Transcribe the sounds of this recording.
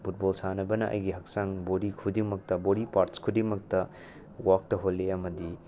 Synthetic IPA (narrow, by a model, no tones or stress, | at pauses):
pʰut̚bolsanɐbɐnɐʔɐ̰jɡiɦɐk̚saŋboɾikʰudiŋmɐk̚tɐboɾipaɾskʰudiŋmɐk̚tɐ | wak̚tɐɦolːeɐmɐdi